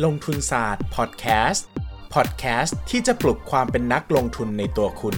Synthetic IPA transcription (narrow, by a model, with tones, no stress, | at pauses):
loː˧ŋt̪ʰu˧nsaː˨˩t̪̚pʰɔ˨˩t̪̚kʰɛː˦˥st̪pʰɔ˨˩t̪̚kʰɛː˦˥st̪ʰːiː˥˩t͡ɕa˨˩plu˨˩kʰwaː˧mpe˧nːa˦˥k̚lo˧ŋt̪ʰu˧nːa˧jt̪u˧ɐkʰu˧n